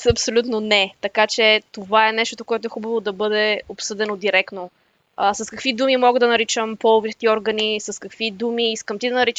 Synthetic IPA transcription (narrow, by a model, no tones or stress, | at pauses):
ɐpsolʲut̪nonɛt̪ɐkat͡ʃɛt̪ovaɛnɛʃt̪ot̪okoɛt̪oɛxubəvod̪ɐbɤd̪ɛopsɤd̪ɛnod̪iɾɛkno | əsɐskɐkvid̪umimɔɡəd̪ɐnɐɾit͡ʃəmpɔlˠovit̪ɛt̪iɔɾɡənisɐskɐkvid̪umiiskəmt̪id̪ɐnɐɾit͡ʃ